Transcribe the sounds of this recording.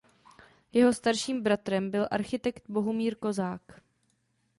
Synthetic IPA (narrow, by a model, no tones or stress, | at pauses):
jɛɦo̞st̪aɾʃiːmbɾat̪ɾɛmbɪlʔa̰ɾxɪt̪ɛkt̪̚bo̞ɦomiːɾko̞zaːk